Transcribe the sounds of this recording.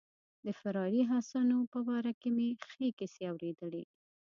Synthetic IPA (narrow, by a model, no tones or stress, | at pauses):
d̪əfɪɾɑɾiɦasɑnopəbɑɾakemexekɪseawɾed̪əle